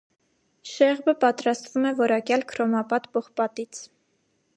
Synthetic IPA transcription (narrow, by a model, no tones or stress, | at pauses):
ʃɛʁbəpɑt̪ɾɑst̪vumɛvɔɾɑkjɑlkʰɾɔmɑpɑt̪bɔχpɑt̪it͡sʰ